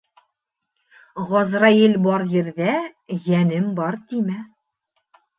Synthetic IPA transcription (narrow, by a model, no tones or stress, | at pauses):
ʁɒzɾɑjɘlbɒɾjɘ̆ɾðæjænɘmbɒɾt̪imæ